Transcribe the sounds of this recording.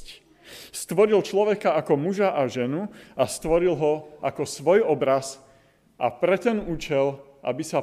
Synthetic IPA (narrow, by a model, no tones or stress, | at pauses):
st̪ʋɔɾilt͡ʃlɔʋɛkaakɔmuʒaʔaʒɛnuast̪ʋɔɾilɦɔʔakɔsʋɔjɔbɾas | ʔa̰pɾɛt̪ɛnuːt͡ʃɛl | a̰bisa